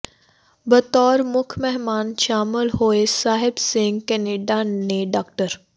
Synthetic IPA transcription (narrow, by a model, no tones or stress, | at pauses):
bɐt̪ɔːɾmʊkʰmɛɦmaːnʃaːmɪlɦoːesaːɦɪbsɪ̃ŋɡkɛːneːɖaneɖaːkʈəɾ